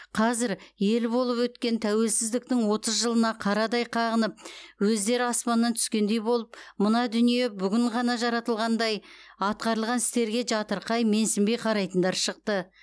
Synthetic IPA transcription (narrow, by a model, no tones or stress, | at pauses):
qʰɑzɪɾje̞lbo̞lˠəpwɵt̪kʲe̞nt̪ʰæwe̞lsɪzd̪ɪk̚t̪ɪŋwo̞t̪əzʒəlˠənɑqʰɑɾɑd̪ɑjqʰɑʁənəp̚wɵzd̪e̞ɾɪɑspɑnːɑnt̪ʰʏ̥skʲe̞nd̪e̞jbo̞lˠəpmənɑd̪ʏnije̞bʏɡʲɪɴʁɑnɑʒɑɾɑt̪əlˠʁɑnd̪ɑjɑt̪̚qɑɾəlˠʁɑnɪ̥st̪e̞ɾɡʲe̞ʒɑt̪əɾqɑjme̞nsɪmbejqʰɑɾɑjt̪ənd̪ɑɾʃəqt̪ə